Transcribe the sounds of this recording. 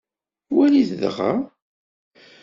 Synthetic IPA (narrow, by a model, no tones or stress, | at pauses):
wæliθðʁa̰